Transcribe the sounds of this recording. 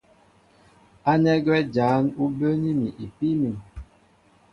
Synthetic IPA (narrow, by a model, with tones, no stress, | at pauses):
a˦nɛ˦ɡwɛ˦d͡ʒaː˨˦nu˦bə˦ni˦mi˨ʔi˨pi˦mi˨